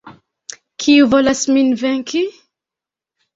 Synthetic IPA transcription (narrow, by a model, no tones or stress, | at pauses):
kʰiuvolasminveŋki